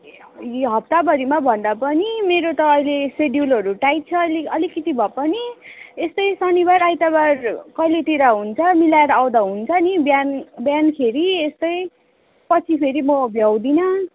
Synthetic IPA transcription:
jiɦʌp̚t̪abʌɾimabʱʌnd̪apʌnimeɾot̪ʌːjleseɖjulɦʌɾuʈaj̚t͡sʰʌliʌlikʌt̪ibʱʌpʌniest̪ʌjsʌnibaɾajt̪abarkʌjlet̪iɾʌɦunt͡sʰʌmilaeɾʌaw̃d̪aɦunt͡sʰʌnibjanbjankʰeɾiest̪ʌj | pʌt͡sʰipʰeɾimʌbʱjawd̪inʌ

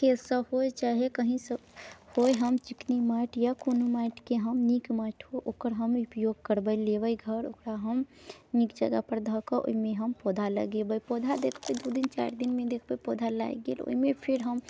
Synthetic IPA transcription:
kelsəɦoet͡ʃaɦekəɦĩsəhojɦəmt͡ʃiknimaʈʰjakonumaːʈʰkeɦəmnikmaːʈʰoʔoːkəɾɦəmupjoɡ̚kəɾbəjleʋəjɡʱəɾo̰kɾaɦəmnikd͡ʒəɡapəɾd̪ʱəkəʔo̰imẽɦəmpɔd̪ʱalə̰ɡebəjpɔd̪ʱad̪ekʰbəjd̪ud̪int͡ʃa̰ɾd̪inmẽd̪ekʰbəjpɔːd̪ʱala̰iɡḛlo̰imẽpʰɪɾɦəm

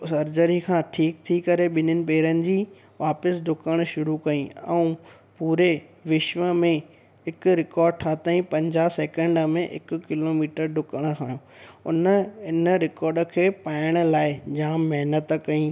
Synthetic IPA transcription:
sɐɾd͡ʑəɾikʰãːʈʰiːk̚t̪ʰikɐɾeɓɪnənɪ̆peːɾənɪ̆d͡ʑiː | ʋaːpəsɖʊkəɽ̃ʃʊɾukɐĩɛ̃ũ | puːɾeʋɪʃʋəmẽ | ɪkʊ̆ɾɪkɔːɾɖ̚ʈʰaːt̪aːĩpɐ̃ɲd͡ʑaːsɛːkə̃ɳɖəmẽʔɪ̰kʊ̆kɪloːmiːʈəɾɖʊkəɽ̃əkʰaːjõːʊ̰nəɪnəɾɪkɔːɾɖə̆kʰeːpaːɪəɽ̃ə̆laːɪd͡ʑaːmːɐɦnət̪kɐĩː

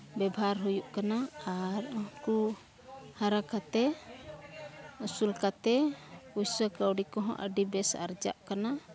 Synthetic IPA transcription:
bɛbʱaɾɦujuʔkanaaɾku | haɾakat̪ɛ | usulkat̪ɛujsəkəwɖikɔɦɔ̰̃ʔə̰ɖibɛsa̰ɾd͡ʒa̰ʔkana

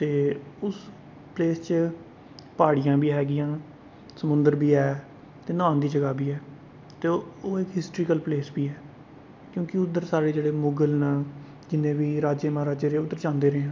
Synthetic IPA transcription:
t̪eːʊs | pleːst͡ʃ | paːɽijãːbiːɦɛːɡɪjãː | səmʊnd̪əɾbiːɛː | t̪eːnaːnd̪iːd͡ʒəɡaːbʱiːɛː | t̪eːoːɪkɦɪsʈɾiːkəlpleːsbiːɛː | kjõːkɪʊd̪ːəɾsaːɾeːd͡ʒeːɽeːmʊɡəlnaː | d͡ʒɪnẽːbiːɾaːd͡ʒeːmãːɾaːd͡ʒeːɾeːʊd̪ːəɾt͡ʃãːnd̪eːɾeːãː

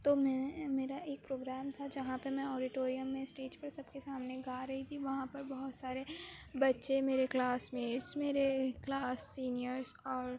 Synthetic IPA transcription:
t̪oːmɛ̃meːɾaʔeːk̚pɾoːɡɾɛːmt̪ʰad͡ʒɐɦãpɐɾmɛ̃ɔːɾɪʈoːɾijəmːẽsʈeːd͡ʒpɐɾsɐbkesaːmneɡaːɾɐɦit̪ʰiʋɐɦãpɐɾbɐɦʊt̪saːɾebɐtːʃemeːɾeklaːsmeːɾsmeːɾeklaːsːiːnijəɾzɔːɾ

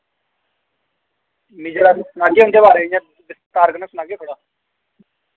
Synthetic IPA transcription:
miːd͡ʒeɾasnaːɡeɦʊ̃nd̪eːbaːɾeːɪjãː | bɪst̪aːɾɡnɛ̃ːsʊnaːɡeːkʰəɽaː

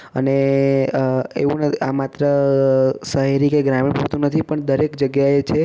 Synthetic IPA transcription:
ə̰ne | ḛʋũnət̪iamat̪ɾə | səɦeɾikeɡɾamipuɾt̪ũnət̪ʰipəɳd̪əɾekd͡ʒəɡjaet͡ʃʰe

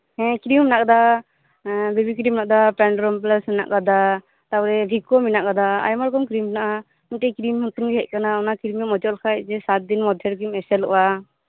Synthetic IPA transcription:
hɛ̃kɾimnakad̪a | bibikɾimnaʔ̚d̪apɾanɖɾɔmplasmina̰ʔkad̪a | t̪abɔɾɛbʱikɔminaʔkad̪aa̰jmaɾkɔmkɾimnaʔa | miʈɛkɾimhɔt̪umɡɛɦɛc̚kanaɔnakɾimɛmɔd͡ʒɔlkʰaj̚zɛsat̪̚d̪inmɔd̪ʱjɛɾk̬ɾimɛsɛlɔʔwa

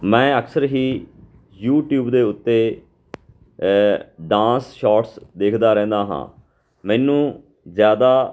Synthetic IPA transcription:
mɛ̃ːəksəɾɦiː | juːʈjuːbd̪eːʊt̪ːeː | ɖãːsʃaːʈsd̪eːkʰd̪aːɾɛ̃ːnd̪aːɦã̰ː | mɛ̃ːnũː | zjaːd̪aː

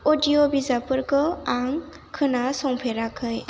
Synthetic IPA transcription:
odiobizapɯɾkɯaŋ | kʰɯnasɔŋpʰeɾakʰɯj

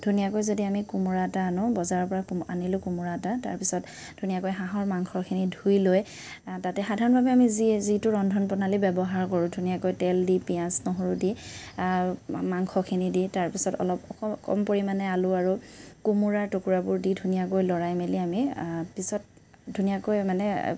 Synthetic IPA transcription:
d̥ʱunijakojzodiamikumuɹataːnʊbɔzaɹɔpɔɹaka̰nilʊ̃kumuɹatata̰ɹpisɔt | d̥ʱunijakojɦaɦɔɹmaŋkʰɔɹkʰinidʱujloj | tatɛxadʱaɹɔnbʱabɛamizizitʊɹɔndʱɔnpɔnalibɛbɔɦaɹkɔɹʊ̃dʱunijakojtɛldipijãsnɔɦoɹʊdi | maŋxʰɔkʰiniditaɹpisɔtɔ̰lɔpɔɔkɔ̰mpoɹimanɛalʊaɹukumuɹaɹtokuɹabʊɹdidʱunijakojlɔɹajmeliamipisɔt̚ | dʱunijakojmanɛ

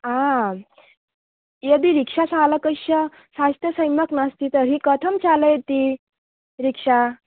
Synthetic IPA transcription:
ã | jəd̪iːɾikʂasʰaləkəɕə | sast̪əsəjməknast̪it̪əɾɦikət̪ʰəmt͡ɕʰaləjt̪i | ɾikʂa

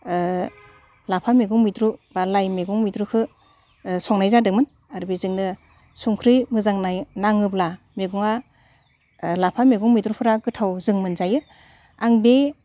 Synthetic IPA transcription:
lapʰameɡuŋmitɾubaɾlajmeɡuŋmidɾukʰɯ | sɔŋnajzadɯk̚mɯn | aɾbizɯŋnɯ | suŋkʰɾɯjmɯzaŋnajnaŋɯpla | meɡuŋa | lapʰameɡuŋmidɾupʰɯɾaɡɯtʰawzɯŋmɯnzajɯ | aŋbe

